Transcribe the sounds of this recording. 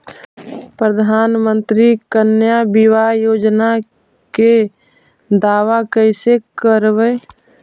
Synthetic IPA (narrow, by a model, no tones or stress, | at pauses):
pɾəd̪ʱaːnmə̃nt̪ɾikənjabɪwajoːd͡ʒna | ke | d̪aːwakəɪsekəɾbə